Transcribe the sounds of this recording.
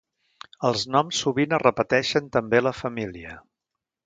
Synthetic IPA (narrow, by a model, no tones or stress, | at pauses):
əlˠznɔmsːuβinərəpət̪ɛʃənt̪əmbeləfəmiliə